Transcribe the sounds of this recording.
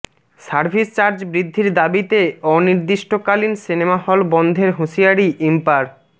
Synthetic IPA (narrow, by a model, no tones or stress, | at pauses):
saɾpʰist͡ɕaɾd͡ʑbɾid̪ʱːiɾd̪abit̪eɔniɾd̪iʃʈokalinsinemahɔlbɔnd̪ʱeɾɦoʃiaɾiʔimpaɾ